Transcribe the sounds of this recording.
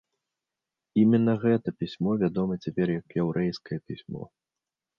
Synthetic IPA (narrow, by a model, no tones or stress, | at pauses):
imʲɛnːɐɣɛt̪ɐpʲisʲmɔvʲad̪ɔmɐt͡sʲapʲɛrjɐkjɛwɾɛjskɐjɐpʲisʲmɔ̰